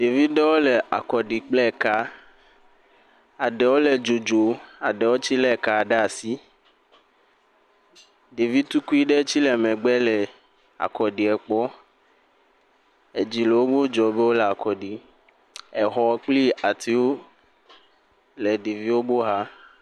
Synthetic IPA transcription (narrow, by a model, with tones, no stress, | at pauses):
ɖe˨vi˦ɖɛ˦wo˦lɛ˨ʔa̰˨kɔ˨ɖi˨k͡plɛ˦˨ka˦ | a˨ɖɛ˨wo˦lɛ˨d͡ʒo˨d͡ʒo˨a˨ɖɛ˨wo˦t͡ɕi˦lɛ˦˨ka˨ɖɛ˦a˨si˦ | ɖe˨vi˦t̪u˦ku˦i˦ɖɛ˦t͡ɕi˦lɛ˨mɛ̃˨ɡ͡bɛ˦lɛ˨ | a̰˨kɔ˨ɖi˨ɛ˨k͡pɔ˦ | e˨d͡ʑi˨le˨wo˦ɡ͡bo˦d͡ʒɔ˨be˦wo˦lɛ˨a˨kɔ˨ɖi˨ | ɛ˨ɦɔ˨˦k͡pli˦a˨t̪i˨wo˦ | lɛ˨ɖe˨vi˦wo˦bo˦ɦa˦